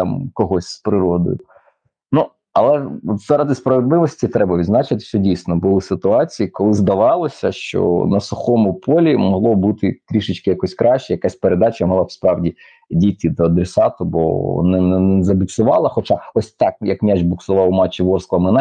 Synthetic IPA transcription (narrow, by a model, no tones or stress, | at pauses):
t̪ɑmkɔɦɔsʲspɾɪɾɔd̪ɔ̰jʊ | nu | ɐlˠɛɔt̪z̥ɑɾɐd̪ɪspɾɐʋed̪lˠɪʋɔsʲtʲit̪ɾɛbɐʋʲid̪znɑt͡ʃɪt̪ɪ̥sʲɔdʲijsʲnɔbɔlˠɪsɪt̪ʊɑt͡sʲijikɔlˠɪzd̪ɐʋɑlˠɔsʲɐʃt͡ʃɔ̰nɐsʊxɔmʊpʰɔlʲimɔɦlˠɔbut̪ɪk̪ɾʲiʃɪt͡ʃʲkɪjɐkɔsʲkɾʔɑʃt͡ʃɛjɐkasʲpeɾed̪ɑt͡ʃɐmɐlˠɑfspɾɑwdʲi | dʲit̪ʲɪd̪ɔɐd̪ɾesɑt̪ʊbɔ̰nɛnɛnɛzɐbʲɪt̪sʊʋɑlˠɐxɔt͡ʃaɔsʲt̪ɑk̚jɐkmʲat͡ʃbʊksʊʋɑwmɑt͡ʃːiʋɔrsklˠɐmɪnɛ